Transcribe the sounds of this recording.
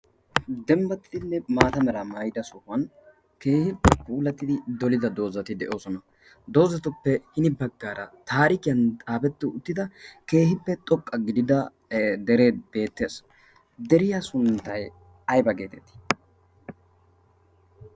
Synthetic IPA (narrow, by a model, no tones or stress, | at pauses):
d̪ɛmbɐt̪ːɪd̪ɪnːɛmaːt̪ɐmɛɾɐmɐjd̪ɐsʊhɐn | ke̞ːhɪpːɛkʼuːlɐt̪ːɪd̪ɪd̪ɔlɪd̪ɐd̪o̞ːzɐt̪ɪd̪ɛʔo̞ːsɔnɐ | d̪o̞ːzɐt̪ʊpːɛhɪnɪbɐɡːaːɾɐt̪aːɾɪkɪjɐnt̪ʼaːbɛt̪ːɪʊt̪ːɪd̪ɐke̞ːhɪpːɛt̪ʼɔkʼːɐɡɪd̪ɪd̪ɐ | d̪ɛɾeːbe̞ːt̪ːe̞ːs | d̪ɛɾɪjasʊnt̪ːɐj | ɐjbɐɡe̞ːt̪ɛt̪ːɪ̥